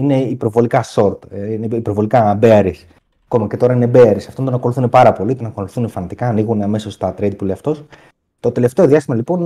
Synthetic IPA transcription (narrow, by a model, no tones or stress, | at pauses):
ine̞ipɾo̞vo̞likɐso̞ɾt̪ineipɾovo̞likɐbe̞ɐɾis | ɐko̞mɐce̞t̪o̞ɾɐine̞be̞ɐɾisɐft̪ond̪o̞nɐko̞luθunepɐɾɐpo̞lit̪o̞nɐkoluθunefɐnɐt̪i̥kɐːniɣunɐme̞so̞st̪ɐt̪ɾeid̪̚puleɐft̪o̞s | t̪o̞t̪e̞le̞ft̪e̞o̞ðiɐsimɐlipo̞n